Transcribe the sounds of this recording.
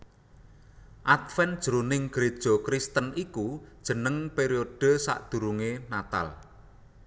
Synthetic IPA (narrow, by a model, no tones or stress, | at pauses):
ʔat̪fɛnd̥ʒ̥ɾunɪŋɡ̥ɾed̥ʒ̥ɔ̤kɾist̪ənikud̥ʒ̥ə̤nəŋpeɾioɖ̥ə̤sa̰ʔd̪̥ṳɾuŋenat̪a̰l